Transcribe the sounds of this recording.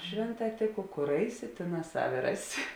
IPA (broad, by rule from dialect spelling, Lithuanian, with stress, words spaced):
ˈʃʲʋʲeːnˌtɑː ˈtʲeːˌkoː ˈkoːr ˈɐɪˌsʲɪ ˈtʲeːˌnɑːs ˈsɑːʋʲɪ ˈrɑːˌsʲɪ